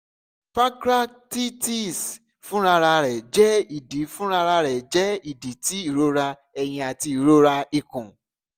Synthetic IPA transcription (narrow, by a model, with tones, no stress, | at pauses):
fa˦kɾa˦ | ti˦ti˦˨s | fũ˦ɾa˧ɾa˧ɾɛ˨d͡ʒɛ˦i˨di˨˦fũ˦ɾa˧ɾa˧ɾɛ˨d͡ʒɛ˦i˦˨di˨˦ti˦i˨ɾo˦ɾa˧ | ɛ˧j̃ĩ˧a˨ti˧˨ɾo˦ɾa˧i˨kũ˨